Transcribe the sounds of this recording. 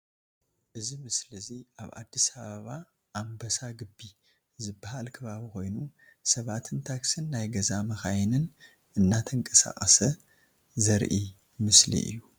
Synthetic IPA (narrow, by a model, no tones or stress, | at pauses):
ʔɨzimɨslɨziʔaβʔa̰d̪ːisɐβɐβa | ʔambɐsaɡɨbːi | zɨbːahalkʰɐβaβiko̞jnu | sɐβat̪ʰɨnt̪ʰaksɨnːajɡɐzamɐxajnɨn | ʔɨnːat̪ʰɐŋkʼɐsa̰kʼɐsɐ | zɐɾʔi | mɨslḭʔɨ̰jːu